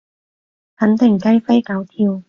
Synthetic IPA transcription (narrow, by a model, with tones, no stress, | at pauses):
hɐ˨˥nt̪ɪ˨˩ŋkɐ˥jfɐ˥jka˨˥wt̪ʰi˧w